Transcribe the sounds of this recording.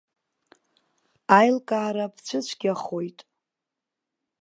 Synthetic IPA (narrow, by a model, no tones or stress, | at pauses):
ajlkʼaːɾapʰt͡ɕʷʰɨt͡ɕʷʰɡʲaχojtʼ